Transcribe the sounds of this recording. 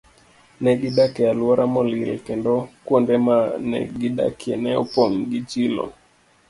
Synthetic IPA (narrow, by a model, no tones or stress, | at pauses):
nɛɡiɗakɛalwaɾʔamɔlilkɛndɔkwɔndɛmanɛ̰ɡida̰kiɛnɛṵpɔŋɡit͡ʃilɔ̰